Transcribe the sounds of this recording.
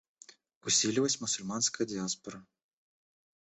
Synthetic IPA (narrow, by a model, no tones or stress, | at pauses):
usʲilʲivɐsʲmʊsʊlʲmanskɐjɐd̪ʲɪaspɔɾɐ